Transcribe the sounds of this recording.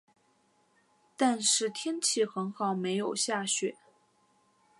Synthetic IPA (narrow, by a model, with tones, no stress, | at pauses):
t̪a˥˧nʂɻ̩˥˩t̪ʰjɛ˥nt͡ɕʰi˥˩xə˧˥nxɑ˨˩ʊme˧˥ɪjo˨˩ʊɕja˥˩ɕɥɛ˨˩˦